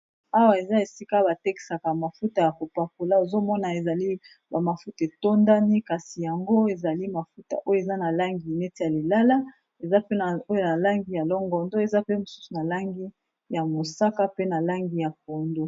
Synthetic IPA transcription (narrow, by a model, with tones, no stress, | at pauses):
a˦wa˨e˨za˦e˨si˦ka˦ba˨te˦ki̥˨sa˨ka˨ma˨fu˦ta˨ja˨ko˨pa˨ko˨la˦o˨zo˦mɔ˦na˨e˨za˨li˦ | ba˨ma˨fu˦te˨to˦nda˦ni˦ka˨si˨ja˨ŋɡo˦e˨za˨li˦ma˨fu˦ta̰˨ʔo˦je˨za˦na˨la˦ŋɡi˨ne˦ti˦ja˨li˨la˦la˦ | e˨za˦pe˦na˨o˦jo˦na˨la˦ŋɡi˨ja˨lɔ˦ŋɡɔ˨ndo˦e˨za˦pe˦mo˨su̥˦su˨na˨la˦ŋɡi˦ | ja˨mo˨sa˦ka˦pe˦na˨la˦ŋɡi˨ja˨k̚o˨ndo˦